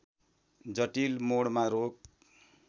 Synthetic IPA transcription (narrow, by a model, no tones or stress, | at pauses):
d͡zʌʈilmoɽmaɾok̚